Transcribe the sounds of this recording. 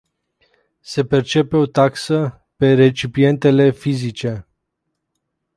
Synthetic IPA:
se̞pe̞rt͡ʃe̞pe̞o̞t̪aksə | pe̞re̞t͡ʃipie̞nt̪e̞le̞fizit͡ʃe̞

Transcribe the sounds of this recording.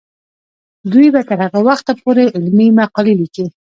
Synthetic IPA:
d̪ujbat̪əɾhaɣawaxt̪apoɾeʔɪlmimaqɑliliki

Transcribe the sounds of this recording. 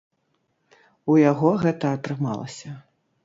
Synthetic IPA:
ujaɣɔɣɛt̪ɐːt̪ɾɨma̰lˠɐ̰sʲɐ

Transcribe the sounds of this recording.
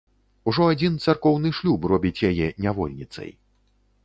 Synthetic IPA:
uʐɔad͡zʲint̪sarkɔwnɨʂlʲuprɔbʲit͡sʲjajɛnʲavɔ̰lʲnʲit̪sɐ̰j

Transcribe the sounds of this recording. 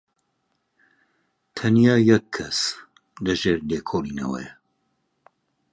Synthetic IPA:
t̪ʰɐnjaːjɛkʰːɐs | lɐʒeːɾleːkʰoːliːnɐ̰wɛ̰jɐ

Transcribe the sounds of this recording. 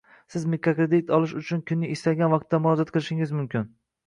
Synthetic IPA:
sɪzmekʰokɾed̪it̪ʰɒlɪʃʊt͡ʃʰʊnkʰʊnːɪɪst̪aɡʲanvɑq̚t̪ːamʊɾɒd͡ʒat̪̚qʰɨlˠɪʃɪŋɪzmʊmkʲɪn

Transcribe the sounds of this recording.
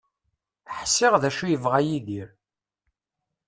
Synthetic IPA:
ħsːɪʁðæʃujəvʁajiðiɾ

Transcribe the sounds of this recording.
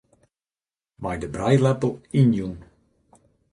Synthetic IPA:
majdəbrajlɛpl̩ˠinjun

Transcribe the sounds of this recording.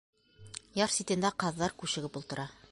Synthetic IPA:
jɑɾsʲit̪ɘ̆nd̪æqɑðːɑɾkʉɕɘ̆ɡɘpulˠt̪ɤ̆ɾɑ

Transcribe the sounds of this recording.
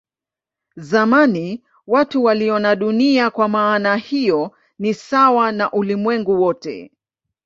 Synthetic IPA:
zamani | watuwaliɔnaɗuniakwamaːnahijɔ | nisawanaʔulimwɛŋɡuwɔtɛ̰

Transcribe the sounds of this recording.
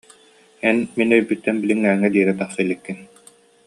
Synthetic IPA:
ɛnminœjbyt̪ːɛnbiliŋːæːŋːɛd̪iːɾɛt̪aχsɯlʲːikːin

